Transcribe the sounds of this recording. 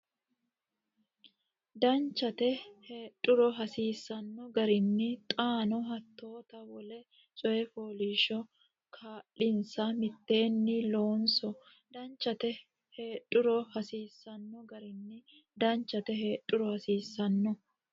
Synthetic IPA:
d̪ɐnt͡ʃːɐt̪ɛheːᶑʼːʊɾɔɦɐsiːsːɐnːɔɡɐɾɪnːɪt̪ʼaːnɔɦɐt̪ːo̞ːt̪ɐwɔlɛ | t͡ʃʼɔɛfoːliːʃɔ | kʰaːlːɪnsɐmɪt̪ːe̞ːnːɪloːnsɔ | d̪ɐnt͡ʃːɐt̪ɛ | heːᶑʼːʊɾɔhɐsiːsːɐnːɔɡɐɾɪnːɪ | d̪ɐnt͡ʃːɐt̪ɛɦe̞ːᶑʼːʊɾɔhɐsiːsːɐnːɔ

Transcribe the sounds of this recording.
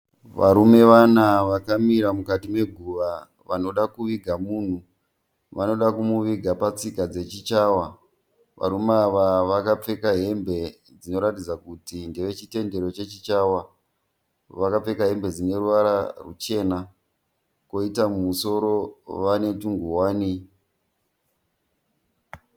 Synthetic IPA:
ʋa̰ɾume̞ʋanaʋakamiɾamukatime̞ɡʱuʋa | ʋano̞ɗakuʋiɡʱamuːn̤u | ʋano̞ɗakumuʋiɡʱapat͡sikad͡ze̞t͡ʃit͡ʃaːwa | ʋa̰ɾumeaʋaʋakap͡fe̞kaɦe̞mbe̞ | d͡zino̞ɾatid͡zakutindeʋe̞t͡ʃite̞nde̞ɾo̞t͡ʃe̞t͡ʃit͡ʃawa | ʋakap͡fe̞kaɦe̞mbe̞d͡zine̞ɾuʋaɾarut͡ʃe̞na | ko̞itamumuso̞ɾo̞ʋane̞tuŋɡuwaːni

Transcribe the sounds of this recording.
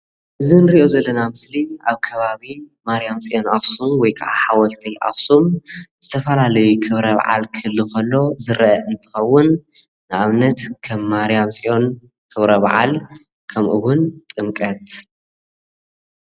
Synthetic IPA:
ʔɨzɨnɨɾiʔo̞zɐlːɐnamɨsliaβkʰɐβaβimaɾijamsʼijʔo̞nʔaxsumwɔjkʰaʕa̰ħawɐlt̪ʰiʔa̰xsumzɨt̪ʰɐfɐlalɐjukʰɨβɾɐβa̰ʕa̰lkʰɨɨlːɨkɐlːo̞zɨɾʔɐʔɨnt̪ʰɨ̥xɐwːʊnː | ɨʔaβnɐt̪kʰɐmːaɾijamsʼiʔo̞n | kʰɨβɾɐβa̰ʕa̰l | kʰɐmʔɨ̰wʊnt̪ʼɨmkʼɐt̪

